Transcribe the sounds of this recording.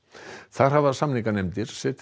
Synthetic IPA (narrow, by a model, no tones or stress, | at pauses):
θaðɾ̥ɦavðḁsamliŋkanejmt̪ɪɾ̥sɛt̪